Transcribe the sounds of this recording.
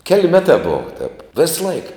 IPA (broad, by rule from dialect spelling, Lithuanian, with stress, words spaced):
kʲɛlʲ ˈmʲæːtɑː ˈboːʋɐ tʲɛp ˈʋʲeːsˌlˠɐɪk